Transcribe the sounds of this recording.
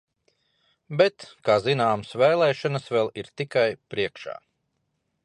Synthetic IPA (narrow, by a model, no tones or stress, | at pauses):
bɛt̪kaːzinaːmsvɛjlˠɛːʃɔnəsvɛlˠiɾt̪ikajpɾiɛkʃa̰ː